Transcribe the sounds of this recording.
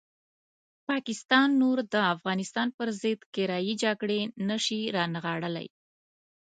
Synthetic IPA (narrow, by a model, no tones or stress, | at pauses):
pɑkɪst̪ɑnːoɾd̪əafɣɑnɪst̪ɑnpəɾzɪd̪kɪɾɑjid͡ʒaɡɽenəʃiɾɑnaɣɑɽəla̰j